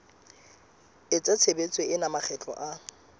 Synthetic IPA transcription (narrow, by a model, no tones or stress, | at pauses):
ɪt͡sʼat͡sʰebet͡sʼweɪnamak͡xɛt͡ɬʼɔ̰ʔa